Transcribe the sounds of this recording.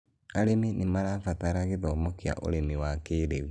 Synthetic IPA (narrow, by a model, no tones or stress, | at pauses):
aɾeminemaɾafataɾaɣeðɔːmɔkea̰ʔo̰ɾemiwakeːɾeu